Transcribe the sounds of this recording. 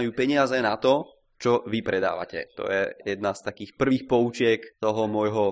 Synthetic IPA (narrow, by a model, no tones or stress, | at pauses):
juːpɛɲɪazɛnat̪ɔ | t͡ʃɔʋipɾɛd̪a̰ːʋa̰cɛ̰t̪ɔ̰jɛ̰jɛd̪nast̪akiːxpr̩ʋiːxpɔut͡ʃɪɛkt̪ɔɦɔmʊɔjɦɔ